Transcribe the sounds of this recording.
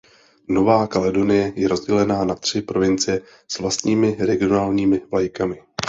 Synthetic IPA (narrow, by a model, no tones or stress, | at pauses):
no̞vaːkalɛdo̞nɪjɛjɛɾo̞zɟɛlɛnaːnat̪r̝̥ɪpɾo̞vɪnt͡sɪjɛ | svlast̪ɲiːmɪɾɛɡɪonaːlɲiːmɪvajkamɪ